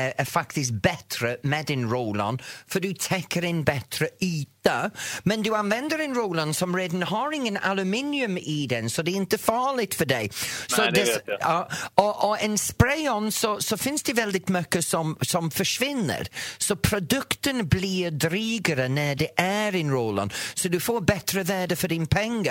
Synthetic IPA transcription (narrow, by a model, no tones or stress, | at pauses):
əfaktɪs̬̚b̥ɛtʰɾəmɛdɪnɹoːla̰nfədutʰɛkʰəɾɪnbɛtʰɾəyːtəmɛnduanvɛndəɾɪnɹoːlansɔmɹeːdn̩haɾɪŋəna̰lʉmɪnjʉmɪd̪ɛnsɔdɛɪnt̪əfaːlɪtfədeɪsɔdɛ | ɔʔɔənspɾeːɔnsɔsɔfɪnsd̥ɛvɛlˠdɪdmœkəsɔmsɔmfəʃvɪnə̰ɾsɔpʰɾɔdʊktənbliːdɾiːɡəɾənɛdɛʔɛɾɪnɹoːla̰nsɔdufoːbɛtʰrəvɛːdəfədɪnpʰɛŋɡə